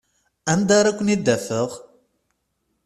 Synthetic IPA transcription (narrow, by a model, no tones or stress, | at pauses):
ænd̪aɾˤakʷːənid̪ːæfəʁ